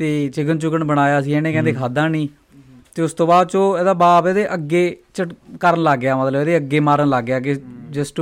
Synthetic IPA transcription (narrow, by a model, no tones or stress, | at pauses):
t̪eːt͡ʃɪɡənt͡ʃʊkənbəɽ̃aːjaːsĩːɛːneːkɛ̃ːnd̪eːkʰaːd̪ãːnĩː | t̪eːʊst̪õːbaːd̪̚t͡ʃõːɛːd̪aːbaːpɛːd̪eːʔəɡːeːt͡ʃəʈkəɾənlaːɡːjaːmət̪ləbːd̪eːəɡeːmaːɾənlaːɡjaːɡeːd͡ʒəsʈ